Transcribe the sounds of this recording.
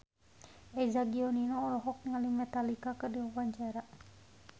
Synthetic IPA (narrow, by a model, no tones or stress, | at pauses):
ʔɛzaɡiɔninɔːlɔɦɔk̚ŋalimɛt̪alikakədiɔwaɲt͡ʃaɾa